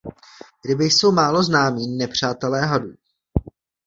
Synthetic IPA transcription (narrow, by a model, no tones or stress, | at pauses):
ɡdɪbɪjso̞wmaːlo̞znaːmiːnɛpr̝̥aːt̪ɛlɛːɦaduː